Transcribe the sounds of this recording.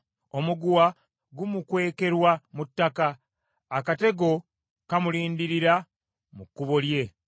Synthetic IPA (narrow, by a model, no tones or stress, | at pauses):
o̞muɡuwa | ɡumukwe̞ːke̞ɾwamutːakaː | kate̞ɡo̞ | kamuliːndiɾiɾa | mukːuβolje̞